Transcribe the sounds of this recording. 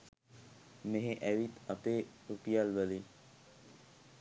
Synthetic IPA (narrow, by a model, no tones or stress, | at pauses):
meɦeʔɛʋit̪ət̪e | upijalʋəli